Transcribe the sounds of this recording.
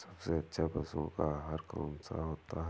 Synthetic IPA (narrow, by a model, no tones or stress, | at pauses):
sɐbseɐtːʃʰabɐsõ̰kaɦɐɾka̰ːnsa̰ɦoːt̪aɦ